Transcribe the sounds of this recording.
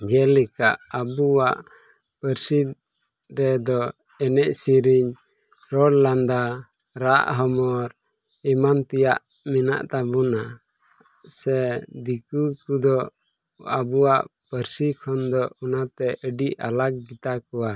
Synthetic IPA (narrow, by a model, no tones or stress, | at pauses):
d͡ʒɛlɛkaʔabuwaʔ | pəɾsid̪ | ɾɛd̪ɔ | ɛnɛʔsiɾiɲ | ɾɔlland̪a | ɾa̰ʔɦɔmɔɾ | imant̪ijaʔ | mina̰ʔt̪abuna | sɛd̪ikukud̪ɔ | abuwaʔpəɾsikʰɔnd̪ɔunat̪ɛʔəɖiʔa̰lak̚ɡit̪akɔwa